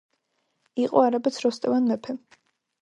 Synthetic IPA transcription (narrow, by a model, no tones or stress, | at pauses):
iqʼɔaɾabɛt̪sʰɾɔst̪ʼɛvanːɛpʰɛ